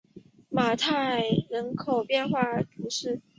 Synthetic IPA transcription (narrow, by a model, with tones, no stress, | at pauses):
ma˨˩t̪ʰa˥˩ɪɻə˧˥nkʰo˨˩ʊpjɛ˥˧nxwa˥˩t̪ʰu˧˥ʂɻ̩˥˩